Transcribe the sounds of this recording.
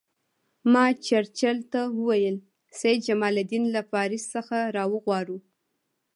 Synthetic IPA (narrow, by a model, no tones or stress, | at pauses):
mɑt͡ʃaɾt͡ʃalt̪awəwajəl | sajd̪̚d͡ʒamɑlad̪inlafɑɾɪsːəxaɾɑwəɣwɑɽu